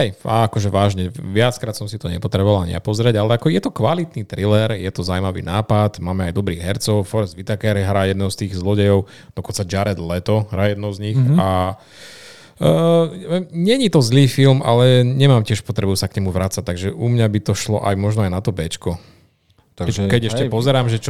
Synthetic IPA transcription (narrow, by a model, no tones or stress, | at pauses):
hɛjaakɔʒɛʋaːʒɲɛʋɪat͡skɾaːt̪sɔmsit̪ɔɲɛpɔt̪ɾɛbɔʋalɲɪ̰a̰pɔzɾɪɛɟalɛakɔjɛt̪ɔkʋalit̪niːt̪ɾilɛɾjɛt̪ɔzawmaʋḭnaːpat̪maːmɛajd̪ɔbɾiːɣɦɛɾt͡sɔʊfɔɾɛzʋit̪akɛɾɦɾaːjɛd̪nɔʊst̪iːɣzlɔɟɛjɔʊ | d̪ɔkɔnt͡sad͡ʒaɾɛd̪lɛt̪ɔɦɾaːjɛd̪nɔʊzɲixa | ɲɛɲit̪ɔzliːfilmʔa̰lɛɲɛmaːmcɪɛʃpɔt̪ɾɛbusakɲɛmuʋɾat͡sac̚t̪ːaɡʒɛʔumɲabit̪ɔʃlɔ̰ʔajmɔʒnɔajnat̪ɔbɛt͡ʃkɔ | aɛkɛɟɛʃcɛpɔzɛɾaːmʒɛt͡ʃɔ